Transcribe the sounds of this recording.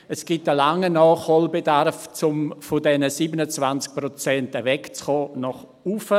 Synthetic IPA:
əsɡ̥itəlaŋːənɑːχhɔlbedarft͡sʊmfʊdɛnəsiːbənət͡svant͡sk̚prɔt͡sɛntəvɛkt͡sχɔːnɔχ | ufə

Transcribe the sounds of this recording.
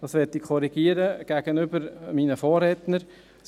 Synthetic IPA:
d̥ɑsʋɛtːikkʰɔɾiɡ̥iəɾəɡ̥æːɡ̥ənʏbəɾmiːnəfɔːrɛtnəɾ | s

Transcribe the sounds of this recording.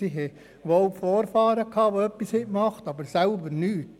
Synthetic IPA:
siɦɛ | ʋoːlfoːɾfɑːɾəkʰɑːʋoœpːishɛk̚mɑχt̪ɑbəɾsælbəɾnyːt

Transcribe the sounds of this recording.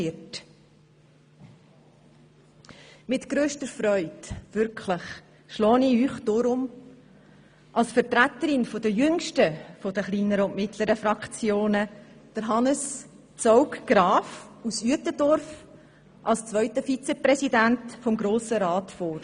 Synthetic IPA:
ɪt | mɪtɡ̥ɾøːʃtəɾfɾœʏd̥ʋʏɾkʰləχ | ʃlɔːniyːχd̥oːɾʊm | ʔɑlsfəɾtɾæt̪əɾɪnfod̥əjʏŋʃtəfod̥əχliːnəɾəʊntmɪtləɾəfɾɑkʰt͡sjoːnəd̥əɾɦɑnəs | t͡sɔʊkɡ̥ɾɑːfusyətədɔɾf | ʔɑlst͡svœʏtəfit͡sɛpɾɛsidæntfɔmɡɾoːsəɾɑːtfoːɾ

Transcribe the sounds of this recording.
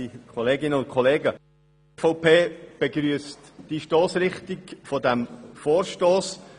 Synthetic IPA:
ikʰɔleːɡɪnəʊn̚kʰɔleːɡə | fɔʊpʰeːb̥eɡɾyəstd̥iʃtoːsɾɪχtiɡfɔdɛmfɔːɾʃtoːs

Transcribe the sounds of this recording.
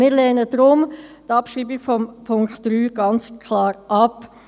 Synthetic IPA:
mɪːɾlɛːnədɾʊmtɑpʃiːbikfɔmpʰʊŋktdɾyːɡ̥ɑnt͡skʰlɑːɾʔɑp

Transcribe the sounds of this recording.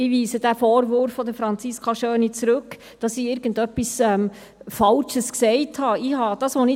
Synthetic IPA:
ɪʋiːsəd̥æfɔːɾvʊɾfːɔd̥̪əfɾɑnt͡siskʰɑʃœːnit͡sɾɵk | d̥ɑsiːɪːɾɡ̥ən̩dœpːisɛm | fɑlʃəsksɛɪthɑɪhɑd̥ɑːsʋonɪ

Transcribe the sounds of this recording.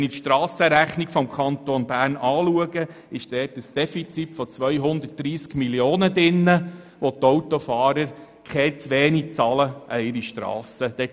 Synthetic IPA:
nitʃtɾɑːsəɾæχnikfɔmkʰɑnt̪onbæːrnɑːluəɡə | ɪʃd̥ɛːtəsd̥ɛfit͡sitfɔt͡sʋœʏɦʊnd̪ət̚d̥ɾiːskmiljoːnədɪnːə | ʋot̪ɔwt̪ɔfɑːɾəɾ | kχɛt͡sʋeːnit͡sɑːləʔəɪɾiʃtɾɑ̰ːsəd̥ɛ

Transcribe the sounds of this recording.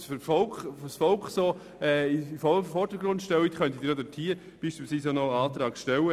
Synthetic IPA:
sføfɔlkfsfɔlkχsoː | ɛːifɔfɔɾd̥əɡɾʊnt̪ʃtɛlwitχœnt̪idiːɾodətʰiə | b̥iːʃpiːlsviːsonɔɑːt̪ɾɑːɡʃtɛwə

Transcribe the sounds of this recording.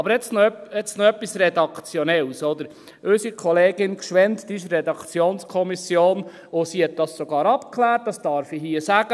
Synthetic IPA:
ɑbəɾɛt͡snɔœpɛt͡snɔœpːisrɛd̪ɑkt͡sjɔnɛlsɔd̪əɾ | øsikʰɔleːɡ̥ɪnkʃʋɛnt̪d̪̥iɪʃrɛdɑkt͡sjoːnskʰɔmisjoːn | ʊsihɛt̪̚d̥ɑssɔɡɑːɾɑpkʰlæːɾt̚d̥ɑsd̥ɑɾfiɦiəsæɡ̥ə

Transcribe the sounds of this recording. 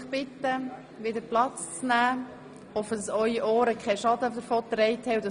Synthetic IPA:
χb̥ɪt̪ːə | ʋɪdəɾplɑt͡st͡snæː | ɔfəd̥ɑsœʏiʔɔːɾəkʰχɛʃɑdəd̪əɾfot̪ɾɛɪthɛwd̥ɑ

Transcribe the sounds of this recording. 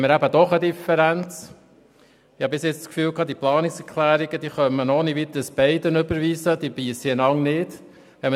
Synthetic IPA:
məɾæbəd̥̪ɔχəd̪ifɛɾænt͡s | ɪhɑbɪsjɛt͡st͡skfyːlkɑːd̪iplɑːnɪksɛkʰlæːɾiɡ̥əd̥̪iːχœmːənɔniʋit̪əsb̥ɛɪdənʏbəɾʋiːsəd̥̪iːbiːsinɑŋnɪt | ʋɛm

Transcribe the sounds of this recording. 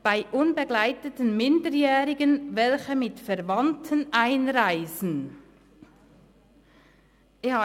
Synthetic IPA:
b̥aɪʔʊnbəɡlaɪtətən̩mɪndəjɛːʁɪɡənvɛlçəmɪtfɛʁvantʰənʔaɪnʁaɪzn̩ | ja

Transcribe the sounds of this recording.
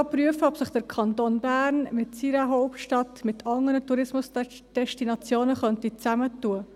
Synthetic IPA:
pɾyəfəɔpsəχd̪̥əɾkʰɑnt̪oːnbæːɾnmɪtsiɾəɦɔʊptʃtɑtmɪt̪ʰɑŋəɾətuɾɪsmʊs | d̥ɛʃtinɑt͡sjoːnəχœntit͡sæmətːuə

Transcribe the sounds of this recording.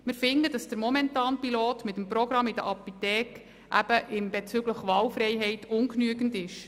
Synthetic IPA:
mɪɾfɪndədɑsd̥əɾmɔmɛntɑːnpiloːtmɪt̪əmpɾɔɡɾɑmɪd̥ə̰ʔɑpit̪ɛːk | ʔæb̥əʔɪmbet͡sʏɡləχʋɑːlfɾɛjɦɛɪtʊŋknyəɡən̩dɪʃ

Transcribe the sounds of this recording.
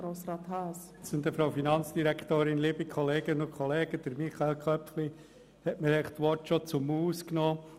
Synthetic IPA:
ɾoːsɾɑːt̪hɑːs | sɪnd̪əfɾɑʊfinɑnt͡sd̥iɾækʰt̪oːɾɪnlibikχɔleːɡ̥ənʊkʰχɔleːɡəd̪̥əɾmiχɑelkʰœpfli | hɛtməɾɛɪχt̪ʋɔtʃɔt͡sʊmuːsknɔː

